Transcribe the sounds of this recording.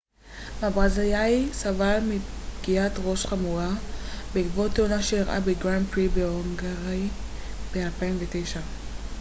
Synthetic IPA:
mabʁazajajsavalmibɡ̥iatʁo̞ʃχamuabeɡvot̪ːeonaʃejiʁʔa̰beɡʁanpʁibeoŋɡaʁi | b̥ealpaimvetejʃa

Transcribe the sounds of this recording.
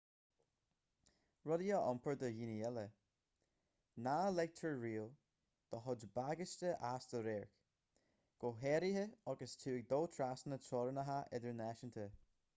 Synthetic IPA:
ɹʊdiəʔɔmpʰəɹd̪əjiːniɛlə | nalɛɡ̚t̪ʰəɹɹiːl | d̪̥əɦʊd͡ʒbaɡəst̪əʔasd̪̥əɾɛːɹk | ɡ̥oɦɛɾihəɑɡəstʰuːɪɡ̚d̪oːt̪ʰɹasənətɔːɾənəɦaʔɛd̪əɹnɛʃənt̪ʰə

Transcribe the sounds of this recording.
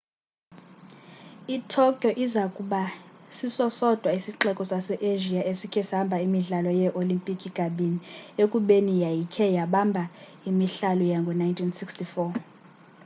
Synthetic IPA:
itʰɔkʼjɔʔizakʼuɓasisɔsɔd̥ʱwaisiǁɛkʼɔsasɛʔeʒiaesikʰɛshambʱaimiɮalɔjɛʔolimpʼikʼiɡ̥ʱaɓiniekʼuɓenijajikʰɛjaɓambʱa | imiɬalɔjaŋɡʱɔnajntʰinsikstʰifɔ

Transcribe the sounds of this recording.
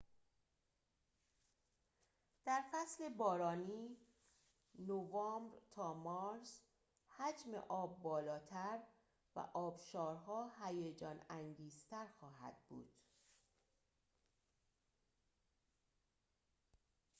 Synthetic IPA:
d̪̥æɾfæsle̞bɒːɾɒːniː | novɒːmbɾt̪ʰɒːmɒɾs | hæd͡ʒmḛʔɒːbːɒːlɒːt̪ʰæɾ | væ̰ʔɒːbʃɒːɾɦɒːɦæjed͡ʒɒːnæŋɡiːzt̪ʰæɾxɒːɦæ̰d̪̥̚bṵːd̪̥

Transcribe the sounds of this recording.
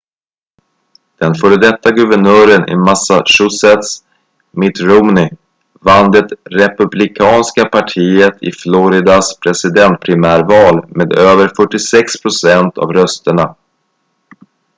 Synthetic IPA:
d̪̥ɛnfœːɾəd̪ɛt̪ːaɡɵvəɳœːɾənʔɪ̰masaʂʊsɛt̪s | mɪt̪ɾɔmnɪ | vand̪ət̪ɾɛpɵblɪkʰɑːnskapʰaʈʰiːət̪ʰɪ̰flɔɾɪd̪aspʰɾɛsɪd̪ɛnt̪̚pʰɾɪmæːɾvɑːlmeːd̪øːvəɾfœʈːɪsɛkspʰɾʊsɛnt̪ʰa̰vɾœst̪əɳa

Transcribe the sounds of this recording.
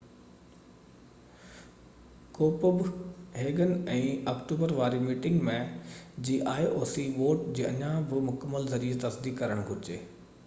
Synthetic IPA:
koːpəbɦeːɡənɛ̃ːɔːkʈuːbəɾʋaːɾimiːʈɪŋɡmẽd͡ʑiːʔaːiʔoːsiʋoːʈd͡ʑiːɐɲãbɪmʊkəmːəlzɐɾiːet̪ɐsd̪iːkkɐɾəɽ̃ɡʱʊɾɪd͡ʑeː

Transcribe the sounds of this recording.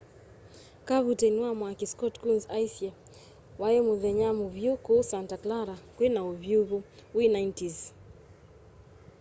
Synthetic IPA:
kaβutɛnwamwakiskɔtkunzajsɛ | wajɛmuɣɛɲamuvjukɔsantaklaɾakwɛnauvjuβuwinajntiz

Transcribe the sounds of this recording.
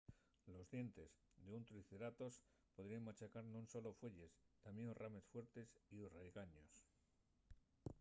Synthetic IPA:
lo̞zðje̞nt̪e̞s | d̪eunt̪ɾiθeɾat̪o̞s | poðɾiaŋmat͡ʃakaɾnũnso̞lo̞fwe̞ʎe̞st̪amjenorame̞sfwe̞ɾt̪e̞siorajɣaɲo̞s

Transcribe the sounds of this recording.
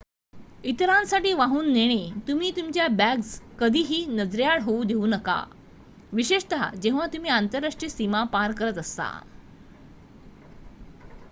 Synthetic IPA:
it̪ɾãnsaʈiːʋaɦuːnːeɽ̃et̪um̤iːt̪umt͡ɕjabæɡskəd̪ʱiːɦiːnəd͡zɾjaɭɦoud̪ʱeuːnəka̰ | ʋiɕeʂt̪ad͡ʑẽʋ̤at̪um̤iːant̪əɾːaʂʈɾisimapaɾkəɾət̪əst̪a̰

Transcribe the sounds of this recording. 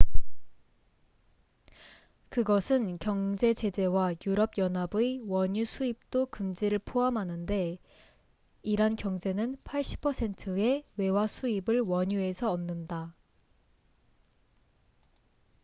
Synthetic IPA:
kɯɡʌsʰɯnkjʌŋd͡ʑe̞t͡ɕe̞d͡ʑe̞wajuɾʌb̚jʌnɦabɯewʌɲusʰuip̚t͈okɯmd͡ʑiɾɯɭpʰoamɦanɯnde̞ | iɾankjʌŋd͡ʑe̞nɯnpʰaɭɕ͈i̥pʰʌsʰe̞ntʰɯe̞we̞wasʰuibɯɭwʌɲue̞sʰʌʌmnːɯnda

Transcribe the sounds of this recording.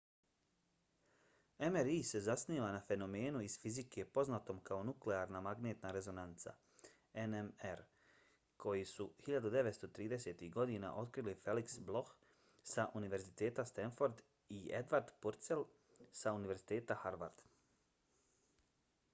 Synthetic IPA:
emeɾise̞zasniːʋanafe̞no̞me̞ːnuiz̥fizikʰe̞po̞znat̪o̞mkao̞nukleaːɾnamaɡneːt̪naɾe̞zo̞nant̪sa̰ | enemeɾ | kʰo̞jisuhiʎad̪ud̪e̞ʋet̪st̪o̞t̪ɾiːd̪e̞se̞ːt̪iɡo̞d̪ina̰ʔo̞t̪kɾilife̞liksblˠo̞x | saʔuniʋe̞ɾzit̪e̞ːt̪ast̪enfo̞ɾd̪ | ied̪ʋaɾd̪puɾt̪se̞l | sauniʋe̞ɾzit̪e̞ːt̪ahaɾʋa̰ɾd̪̥

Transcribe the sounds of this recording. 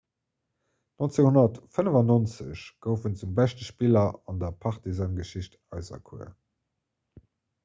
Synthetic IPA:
nont͡seːŋhonɐtfənəvɑnont͡sə̰ɕɡ̥əʊfənt͡sumbæʃtəʃpilɐɑndɐpʰɑχtizɑːnɡəʃiɕtɑɪzɐ̰kʰṵɐ̰

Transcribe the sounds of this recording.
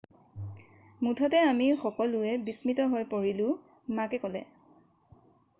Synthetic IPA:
mutʰɔtɛamixɔkɔlʊɛbismitɔɦojpoɹilʊ̃ | makɛkɔlɛ̰

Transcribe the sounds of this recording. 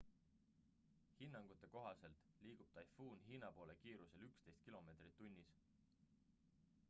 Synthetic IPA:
hinːɑŋɡ̥ut̪ːˑe̞ko̞ɦɑse̞lt̪ | liːɡ̥ub̥t̪ɑjfuːnɦiːnɑpo̞ːle̞kiːɾuse̞lykst̪e̞jst̪kilo̞me̞ːt̪rit̪ːunʲːis

